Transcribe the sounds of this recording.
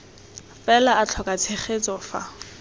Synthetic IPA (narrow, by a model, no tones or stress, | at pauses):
fɛlaat͡ɬʰɔkʼat͡sʰeχet͡sʼɔfa̰